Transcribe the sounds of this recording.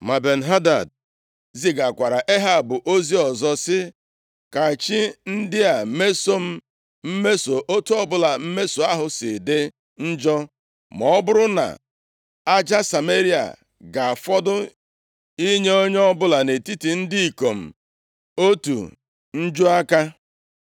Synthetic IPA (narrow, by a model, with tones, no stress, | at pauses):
ma˨be˨n̩˨ɦa˦da̰˨d̚ | zi˨ɡa˨kʷa˨ɾa˨ʔe˦ɦa˦˨bʊ˨ʔo˦zi˦ɔ˨zɔ˦sɪ˦ | ka˨t͡ʃi˦n̩˦dɪ˦a˨me˦so˦m̩˦ | m̩˦me˦so˨ʔo˦tu˦ɔ˦bʊ˦la˨m̩˦me˦so˨a˦ɦʊ˨sɪ̰˨de˦ | n̩˦d͡ʒɔ˦ | mɔ˨˦bʊ˦ɾʊ˦na̰˨ | a˦d͡ʒa˦sa˨me˦ɾi˦a̰˨ | ɡa˨a˨fɔ˦dʊ˦ | i˦ɲe˦o˦ɲ˦ɔ˦bʊ˦la˨ne˨ti˦ti˨n̩˦di˦i˨ko˨m̩˨ | o˦tṵ˨ | n̩˦d͡ʒu˦a˦ka˦